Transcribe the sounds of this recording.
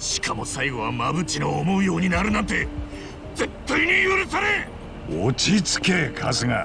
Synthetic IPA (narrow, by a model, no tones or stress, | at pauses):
ɕi̥kʰamo̞saiɡo̞βamabɯ̟t͡ɕinoːmo̞ɯ̟jo̞ːɲ̟inaɾɯ̟nãnt̪e̞ | d͡ze̞t̪ːaiɲ̟ijɯɾɯsaɾe̞ | ot͡ɕit͡sɨ̥ke̞kʰazɨŋa̰